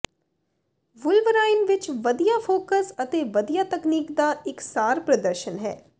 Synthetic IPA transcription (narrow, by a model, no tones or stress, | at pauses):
ʋʊlʋəɾaːɪnʋɪt͡ʃʋəd̪ijaːfʰoːkəsət̪eːʋəd̪ijaːt̪əkniːkd̪aːɪksaːɾpɾəd̪əɾʃənɦɛ̰ː